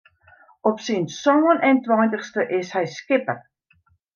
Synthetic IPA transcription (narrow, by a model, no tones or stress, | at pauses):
ɔpsinsɔŋənɛntwɔjntəχstəʔɪshɛjskɪpər